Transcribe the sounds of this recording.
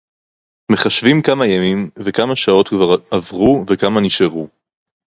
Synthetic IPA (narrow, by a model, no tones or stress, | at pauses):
me̞χaʃvimkamajamimvekamaʃao̞t̪kvaʁavʁuvekamaniʃeʁu